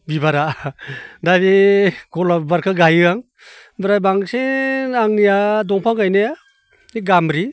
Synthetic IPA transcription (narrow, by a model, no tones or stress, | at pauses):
bibaɾa | dabiɡɔlabaɾkʰaɡajɯaŋ | bɯɾajbaŋseaŋnijadɔŋpʰaŋɡajnea | niɡamɾi